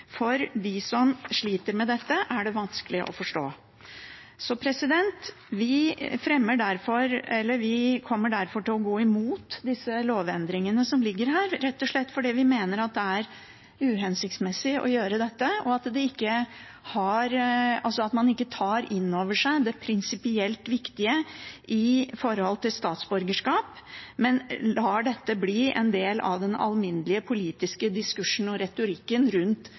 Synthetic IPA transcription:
fɔɾd̪ɪsɔmʂɭiːt̪əɾmɛd̪ɛt̪ːəʔæɖɛʋɑnskəlɪʔɔ̰fɔʂʈo̰ː | sɔpʰɾɛsɪd̪ɛnt̪ | ʋɪfɾɛmːəɖæɾfɔɾɛlːəɾʋɪkʰɔmːəɖæɾfɔʈɪlɔɡoːɪmuːt̪d̪ɪsːəloːʋɛnd̪ɾɪŋənəsɔmlɪɡːəɾɦæːɾɾɛt̪ːɔʂɭɛt̪ːfɔɖɛʋɪmeːnəɾɑt̪̚d̪ɛæɾ | ʉːɦɛnsɪkt̪smɛsːɪʔɔ̰jøːɾəd̪ɛt̪ːəɔɑt̪d̪ɛɪkːə | hɑɾɑlsɔɑt̪mɑnɪkːət̪ʰɑːɾʔɪnːoːʋəʂæɪd̪ɛpʰɾɪnsɪpɪɛlt̪ʋɪkt̪ɪəʔɪfɔɾəhɔlt̪ʰɪlst̪ɑːt̪sbʉɾɡəʂkɑːp | mɛnlɑːɖɛt̪ːəbliːʔɛ̰nd̪eːlɑ̰ʋd̪ɛnɑ̰lmɪnːlɪəpʰʊliːt̪ɪskəd̪ɪskʉʂn̩ɔɾɛt̪ʊɾɪkːənɾʉnt̪

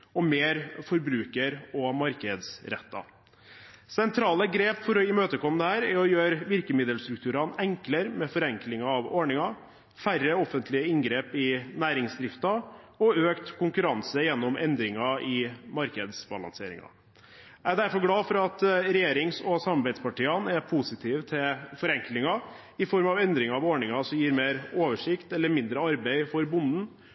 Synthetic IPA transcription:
ɔmeːɾfɔɾbɾʉːkəɾɔmɑɾkəd̪sɾɛ̰t̪ːɑ̰ | sɛnt̪ʰɾɑːləɡɾeːpfɔɾɪmøːt̪əkʰɔmd̪əhæːɾæɾɔjøːɾʋɪɾkəmɪd̪əlst̪ɾʉk̚t̪ʰʉːɾɑnɛŋkləɾmɛfɔɾɛŋklɪŋɑɑʋɔɳɪŋɑ | færːəɔfːənt̪ʰlɪəɪŋɡɾeːpɪnæːɾɪŋsd̪ɾɪft̪ɑ | ɔøːkt̪kʰʊŋkʉɾɑnsəjɛnːɔmʔɛnd̪ɾɪŋɑʔɪmɑɾkəd̪sbɑ̰lɑ̰nsḛːɾɪ̰ŋɑ̰ | æɾd̪æɾfɔɾɡlɑːfɔɾɑt̪ɾɛjeːɾɪŋsɔsɑmːɑɾbɛɪspɑʈiːənæɾpʰusɪt̪ʰiːʋt̪ʰɪlfɔɾɛŋklɪŋɑ | ɪfɔɾmɑʋɛnd̪ɾɪŋɑɑʋoɳɪŋɑsɔmjiːɾmeːɾoːʋəʂɪkt̪ɛlːəɾmɪnd̪ɾəɑɾbeɪfɔɾbʊnd̪n̩

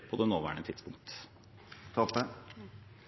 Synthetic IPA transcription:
pʰɔd̪ɛnoːʋæ̰ːɳət̪ʰɪd̪spʊ̰ŋkt̪ | t̪ʰɔpːə

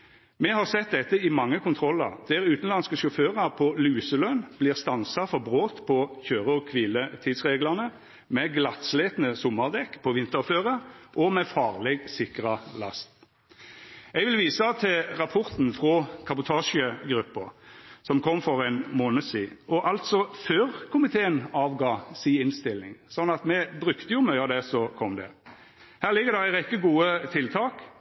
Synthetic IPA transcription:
mɛhɑʁsɛt̪̚d̪ɛt̪ːəɪmɑŋːəkʰʊnt̪ʰʁɔlːə̰ʁd̪̥ɛʁʉːt̪n̩lɑnskəʃɔføːʁɑʁpʰɔlʉːsəlœnb̥lɪːʁst̪ɑnsɑfɔʁbʁoːt̪pʰɔçøːʁəɔkʰʋiːlət̪ʰiːd̪sʁeːɡlɑʁnə | mɛɡlɑt̪sleːt̪nəsɔmːɑʁd̪ɛkːpʰɔʋɪnt̪əføːʁəʔɔmɛfɑːʁlɛɡsɪkʁɑlɑ̰st̪ | ɛɡʋɪlʋiːsɑt̪ʰɪʁɑpʰɔʁt̪n̩fʁɔkʰɑbʊt̪ʰɑːʂəɡɾʉpːəsɔmkʰɔmːfɔʁɛnmoːnəsiːɔʔɑlt̪sɔføːʁkʰʊmɪt̪ʰeːənɑːʋɡɑːsiːɪnst̪ɪlːɪ̰ŋsɔnːɑt̪mɛbʁʉkt̪əjʊmœʏɑd̪ɛsɔkʰɔmd̪ɛ̰ | hæːʁlɪɡːəd̪ɛæɪʁɛkːəɡuːət̪ʰɪlt̪ʰɑːk

